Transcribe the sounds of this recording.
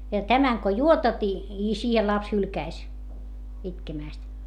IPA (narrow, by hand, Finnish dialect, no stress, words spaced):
jɑ tæmæŋ ko juotɑt i i siːhel lɑps hylkæis itkemæˑst